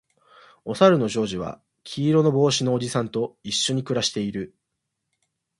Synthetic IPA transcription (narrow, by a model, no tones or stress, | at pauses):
o̞saɾɯ̟no̞ʑo̞ːʑiβa̰ | kʲʰiːɾo̞no̞bo̞ːɕino̞ːd͡ʑisãnt̪o̞iɕːo̞ɲ̟ikɯ̟ɾaɕi̥t̪e̞iɾɯ̟